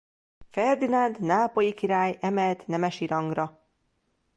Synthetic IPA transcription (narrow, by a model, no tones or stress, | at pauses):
fɛrd̪inɒnd̪naːpojikiɾaːjɛmɛlt̪nɛmɛʃiɾɒŋɡrɒ